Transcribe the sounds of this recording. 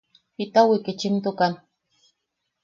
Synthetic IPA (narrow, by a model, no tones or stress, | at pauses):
pit̪awikit͡ʃint̪okan